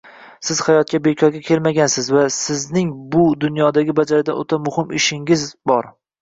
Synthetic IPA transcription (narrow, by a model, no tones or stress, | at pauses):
sɪz̥hajɒt̪̚kʲabe̞kʲʰɒɾɡʲakʲʰe̞lmaɡʲansɪzvasɪznɪŋbʊd̪ʊnjɒd̪aɡʲɪbad͡ʒaɾɪd̪aʔo̰t̪ʰamʊhɪmɪʃɪŋɪzbɒɾ